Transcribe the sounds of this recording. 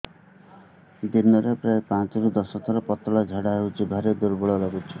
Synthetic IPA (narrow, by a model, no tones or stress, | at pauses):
d̪inɔɾepɾaepãt͡ʃɔɾud̪ɔsɔt̪ʰɔɾɔpɔt̪ɔɭad͡ʒʱeɽaɦewt͡ʃʰibʱaɾed̪uɾbuɭɔlɔɡut͡ʃʰi̥